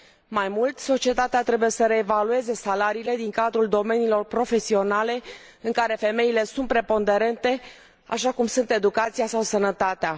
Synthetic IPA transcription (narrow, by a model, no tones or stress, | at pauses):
majmult̪so̞t͡ʃie̞t̪at̪eat̪ɾe̞buje̞səɾe̞ːvalue̞ze̞salaɾiːle̞d̪iŋkad̪ɾuld̪o̞me̞niːlo̞rpɾo̞fe̞sio̞nale̞ | ɨŋkaɾe̞fe̞me̞ile̞sunt̪̚pɾe̞po̞nd̪e̞ɾe̞nt̪e̞ | a̰ʃakumsunt̪e̞d̪ukat̪sijasawsənət̪at̪ea